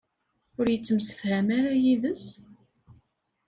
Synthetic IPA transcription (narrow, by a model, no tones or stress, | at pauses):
ʊɾjət͡sːəmsə̥fhæmaɾajiðəs